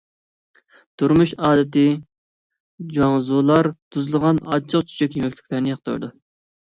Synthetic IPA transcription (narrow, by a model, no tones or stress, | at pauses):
t̪uɾmuʃɑːd̪ɪt̪ɪ | d͡ʒɑŋzulˠɑɾt̪ʰuzlˠəʁɑnɑt͡ʃʰəqt͡ʃʰy̥t͡ʃʰɛkʲjemɛkʲlɪ̥kʲlˠæɾnɪjɑqt̪o̰ɾd̪u